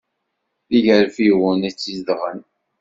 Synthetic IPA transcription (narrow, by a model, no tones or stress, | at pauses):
θiʝəɾfiwənæt͡sːizd̪ʁən